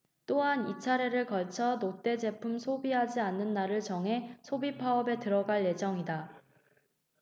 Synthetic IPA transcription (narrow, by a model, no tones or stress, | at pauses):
t͈oɦanit͡ɕʰaɾe̞ɾɯɭkʌɭt͡ɕʰʌnot͈e̞d͡ʑe̞pʰumsʰobiɦad͡ʑianːɯnːaɾɯɭt͡ɕʌŋɦe̞sʰobipʰaʌbe̞tɯɾʌɡaɭje̞d͡ʑʌŋida